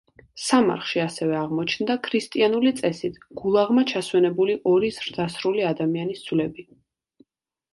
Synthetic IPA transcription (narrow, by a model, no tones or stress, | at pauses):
sama̰ɾχʃiasɛvɛaʁmɔt͡ʃʰnd̪akʰɾist̪ʼianulit̪sʼɛsit̪ʰɡ̥ulˠaʁmat͡ʃʰaswɛnɛbuliʔɔɾizɾd̪asɾuliad̪amianisd̪z̥vlɛbi